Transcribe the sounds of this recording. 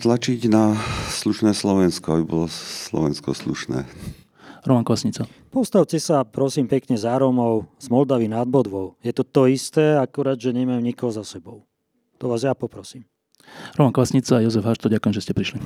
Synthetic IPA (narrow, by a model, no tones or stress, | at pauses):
t̪lat͡ʃiɟnasluʃnɛːslɔʋɛnskɔabibɔlɔslɔ̰ʋɛnskɔ̰slṵʃnɛ̰ː | ɾɔmaŋkɔʋasɲit͡sapɔst̪aʊtɛsapɾɔsiːmpɛkɲɛzaːɾɔmɔʊz̥mɔld̪aʋinad̪̚bɔd̪ʋɔʊjɛt̪ɔt̪ɔist̪ɛːakuɾaːd̪ʒɛɲɛmajmɲikɔɦɔzasɛbɔʊ | t̪ɔʋaːzjapɔpɾɔsiːm | ɾɔmankɔʋasɲit͡saːjɔzɛvɦaʃt̪ɔɟakujɛmʒɛscɛpɾiʃli